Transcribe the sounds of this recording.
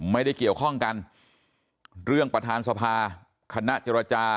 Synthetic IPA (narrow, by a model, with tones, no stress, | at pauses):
ma˥˩jda˥˩jki˨˩əwkʰɔ˥˩ŋka˧n | ɾɯ˥˩əŋpɾa˧t̪ʰaː˧nsa˧pʰaː˧ | kʰa˧na˦˥ʔt͡ɕe˧ɾa˧t͡ɕaː˧